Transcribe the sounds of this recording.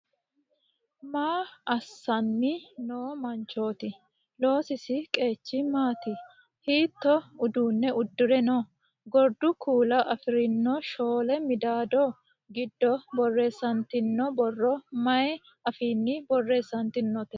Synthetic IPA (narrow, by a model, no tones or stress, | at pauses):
maːɐsːɐnːɪnoːmɐnt͡ʃo̞ːt̪ɪ | lo̞ːsɪsɪkʼe̞ːt͡ʃːɪmaːt̪ɪ | hiːt̪ːɔʊd̪uːnːɛʔʊd̪ːʊɾɛnɔ | ɡɔɾd̪ʊkuːlɐʔɐfɪɾɪnːɔʃo̞ːlɛmɪd̪aːd̪ɔ | ɡɪd̪ːɔbɔrːeːsːɐnt̪ɪnːɔbɔrːɔmɐɛ | ɐfiːnːɪbɔrːe̞ːsːɐnt̪ɪnːɔt̪ɛ